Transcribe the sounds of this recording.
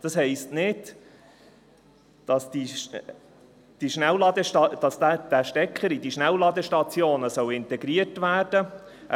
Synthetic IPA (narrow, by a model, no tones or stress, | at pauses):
d̥ɑshɛɪstnɪd̥ | d̥ɑsd̥i | d̥iʃnɛwlɑd̪əɑd̥ɑsdæd̥æʃtɛkχəɾidiʃnæwlɑd̪əʃtɑt͡sjoːnəsœwɪnt̪ɛɡɾiətʋæːrd̥ə